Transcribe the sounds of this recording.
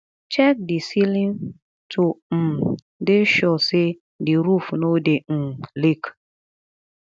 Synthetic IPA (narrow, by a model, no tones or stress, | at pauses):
t͡ʃɛk̚dɪsilin | tʰʊm̩ | dɪʃɔsɪ | dɪɾufnodeŋ̩lik